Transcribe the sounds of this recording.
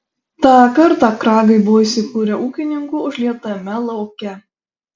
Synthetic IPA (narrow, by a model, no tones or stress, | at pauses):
t̪ɑːkɐɾt̪ɑkɾɑːɡɐɪbʊʋoːiːsʲɪkuːɾʲɛʔuːkʲɪnʲɪŋkʊʊʒʲlʲiɛt̪ɐmʲɛlˠɐʊkʲɛ